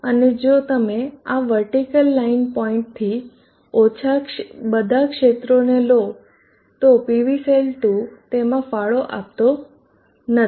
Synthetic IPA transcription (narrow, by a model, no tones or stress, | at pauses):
əned͡ʒot̪əmeaʋəɾʈikəlːainpɔĩɳʈ̚t̪ʰi | ot͡ʃʰabəd̪ʱakʂet̪ɾonelo | t̪opiʋiselʈut̪emãfaɭoʔapt̪o | nə